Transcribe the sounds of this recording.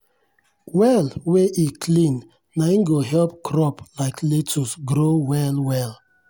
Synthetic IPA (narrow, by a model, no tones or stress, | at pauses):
wɛlweʔikʰlĩnː | ainɡoɦɛlpkʰɹɔplaɪkletʰusɡɾowɛlwɛl